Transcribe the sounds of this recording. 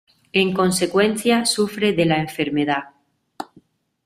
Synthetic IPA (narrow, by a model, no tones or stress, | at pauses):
e̞ŋko̞nse̞kwe̞nθjasufɾe̞ðelaeɱfe̞ɾmeða